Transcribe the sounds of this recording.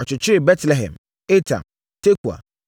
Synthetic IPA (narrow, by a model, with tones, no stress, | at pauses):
ɔ˨t͡ɕɪ˨t͡ɕʰɪ˦ɪ˨bɛ˦tlɛ˨ɦɛ̰̃˨m | e˦tʰã̰˨m | tʰe˦kʰu˨a̰˨